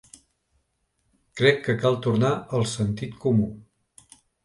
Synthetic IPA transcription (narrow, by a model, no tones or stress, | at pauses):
kɾɛkːəkalˠt̪uɾnaəlˠsənt̪it̪kumu